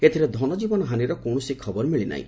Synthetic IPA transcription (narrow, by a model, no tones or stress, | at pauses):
et̪ʰiɾed̪ʱɔnɔd͡ʒibɔnɔɦaniɾɔkoɳɔsikʰɔbɔɾmiɭina̰ɦḭ̃